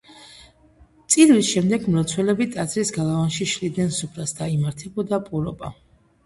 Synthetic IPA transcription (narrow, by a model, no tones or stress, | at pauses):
t̪sʼid̪visʃɛmd̪ɛɡmɾɔt̪sʰwɛlɛbit̪ʼazʰɾisɡalˠavanʃiʃlid̪nɛnsupʰɾasd̪aimaɾt̪ʰɛbɔd̪apʼuɾɔba̰